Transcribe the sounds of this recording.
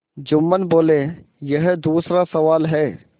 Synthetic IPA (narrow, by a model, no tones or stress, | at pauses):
d͡ʒʊmːənboːlẽ | jɐɦd̪uːsɾasɐʋaːlɦɛː